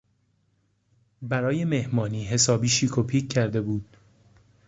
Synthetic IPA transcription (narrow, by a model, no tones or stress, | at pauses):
bæɾɒːje̞me̞hmɒːniːɦe̞sɒːbiːʃiːkʰopʰiːkʰcʰːæɾd̪e̞buːd̪̥